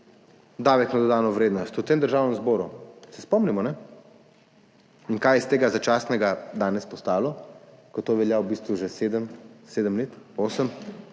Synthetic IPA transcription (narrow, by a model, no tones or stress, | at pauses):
d̪aːʋɛknad̪ɔd̪aːnɔʋɾeːd̪nɔst̪ut̪emd̪əɾʒaːwnɛmzbɔːɾusɛspɔmnɛmɔnɛ | inkajɛst̪eːɡazat͡ʃasnɛɡad̪aːnɛspɔst̪aːlɔkɔt̪ːoʋɛljawbiːst̪ʋuʒɛseːd̪əmseːd̪əmleːt̪oːsəm